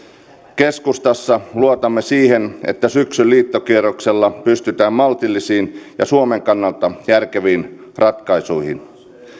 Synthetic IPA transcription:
keskust̪ɑsːɑluot̪ɑmːesiːhenḛt̪ːæsyksylliːt̪ːokierokselːɑpyst̪yt̪æːmmɑlt̪ilːisiːnjɑ̰suomeŋkɑnːɑlt̪ɑjærkeʋiːn | rɑt̪kɑisuihḭn

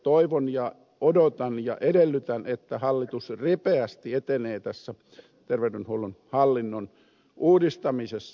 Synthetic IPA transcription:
t̪oiʋonjɑ | odot̪ɑnjɑ̰ʔedelːyt̪ænet̪ːæhɑlːit̪usripeæst̪iet̪eneːt̪æsːæ | t̪erʋeydenhoulunhɑlːinːon | ʔuːdist̪ɑmisesː

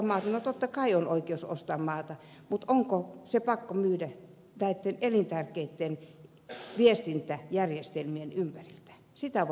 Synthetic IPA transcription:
mɑːt̪ɑnot̪ot̪ːɑkɑionoikeoso̰st̪ɑːmmɑːt̪ɑ | mut̪oŋkosepɑkːomyːdæ | næit̪ːenelint̪ærkeit̪ːen | ʋiest̪int̪æjærjest̪elmienympærilt̪æ̥ | sit̪æʋ

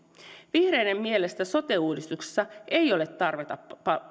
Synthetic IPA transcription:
ʋihre̞jne̞mːielest̪æso̞t̪e̞uːdist̪ukse̥sːɑʔe̞jo̞le̞t̪ːɑrʋet̪ɑpɑ

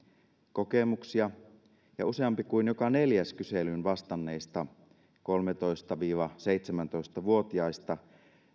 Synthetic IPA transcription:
kokemuksiɑ | jɑ̰useɑmpikuinjokɑne̞ljæskyselynʋɑst̪ɑnːeist̪ɑ | ko̞lmet̪o̞ist̪ɑʋiːʋɑse̞it̪semænt̪o̞ist̪ɑʋuo̞t̪iɑist̪ɑ

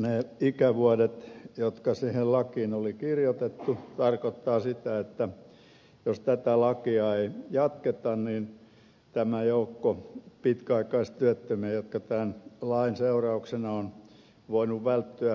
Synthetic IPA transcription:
neˑikæʋuɑdet̪jot̪kɑsiːhellɑkiːnolikirjot̪et̪ːut̪ɑrkot̪ːɑːsit̪æet̪ːæ | jost̪æt̪ælɑkiɑeijɑt̪ket̪ɑnniːn | t̪æmæjoukːopit̪kæɑikɑistt̪yæt̪ːømejot̪kɑt̪ænlɑinseurɑuksenɑon | ʋoinuʋʋælt̪ːyæ

